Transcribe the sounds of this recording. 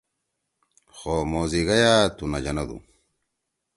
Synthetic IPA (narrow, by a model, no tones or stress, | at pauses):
xoːmoːziɡɐjaːt̪unɐd͡ʑɐnɐd̪ṵ